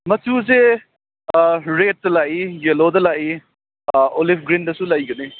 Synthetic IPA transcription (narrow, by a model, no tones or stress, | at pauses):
mɐtuze | ɾet̚dɐlaʔijelodɐlaʔi | olipʰɡɾindɐsũlɐjɡɐni